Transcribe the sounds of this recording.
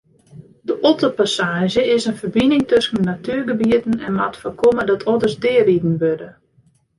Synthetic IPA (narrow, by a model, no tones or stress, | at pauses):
dəʔolˠtəpasaːʒəɪsənfərbinɪŋtøsənːatyːrɡəbiətən̩ɛnmatfərkʰomədɔtʰɔdərsdɪəridn̩ʋødə